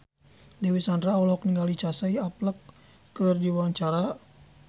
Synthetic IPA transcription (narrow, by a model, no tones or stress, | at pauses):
dɛwisandraɔlɔk̚niŋɡalit͡ʃasaiapləkː | ɨrdiwaɲt͡ʃaɾa